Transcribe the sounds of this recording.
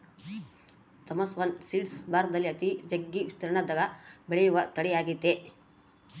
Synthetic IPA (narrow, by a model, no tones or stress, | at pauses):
t̪ɐmɐsʋɐnsiːɖsbaːɾd̪ɐlːiɐt̪id͡ʒɐɡːiʋist̪ɐɾɐɳɐd̪ɐɡɐbeɭejuʋɐt̪ɐɽɛjaːɡit̪ːe